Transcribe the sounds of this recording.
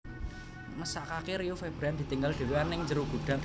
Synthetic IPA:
məsaʔkakeɾiufeb̥ɾand̪i̤t̪iŋɡald̥e̤weanɪŋd͡ʒəɾuɡ̥ṳɖ̥a̤d

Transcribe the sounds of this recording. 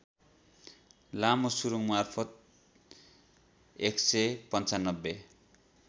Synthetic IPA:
lamosuɾuŋmarpʰʌt̪̚ | eksepʌnt͡sanːʌbːe

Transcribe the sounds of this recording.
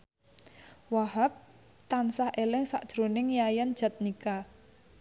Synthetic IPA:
wahap̚ | t̪ansahʔelɪŋsa̰ʔd̥ʒ̥ɾonɪŋjajand̥ʒ̥a̤t̪̚nika

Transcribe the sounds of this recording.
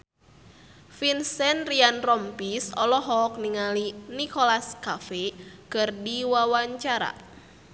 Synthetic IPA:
finsɛnrianrɔmpisɔlɔɦɔk̚niŋalinikɔlaskafekɨrdiwawaɲt͡ʃaɾa̰

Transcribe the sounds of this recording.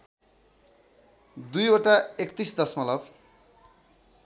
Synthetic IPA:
d̪ujoʈaekt̪isd̪ʌsmʌlʌb

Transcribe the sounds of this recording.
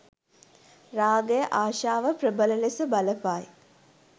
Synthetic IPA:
raːɡəjəʔaːʃaːʋəprəbələlesəbaləpaj

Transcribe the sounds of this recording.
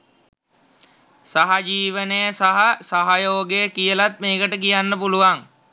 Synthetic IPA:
saɦad͡ʒiːʋənəjəsaɦasaɦajoːɡekijəlat̪̚meːkəʈəkijanːəpuluʋaŋ

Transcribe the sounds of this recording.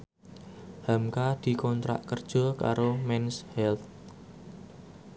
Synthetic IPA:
hamkad̪̥i̤kɔnt̪ɾa̰ʔkərd̥ʒ̥ɔ̤ka̰ɾomɛnshɛlt̪̚

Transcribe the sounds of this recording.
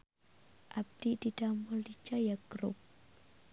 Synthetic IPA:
ʔab̚d̥ididamulːit͡ʃajaɡɾṵp̚

